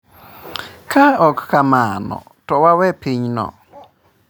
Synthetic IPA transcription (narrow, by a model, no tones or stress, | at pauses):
kʰaɔkːamanɔ̰ | tɔwawɛpiɲnɔ̰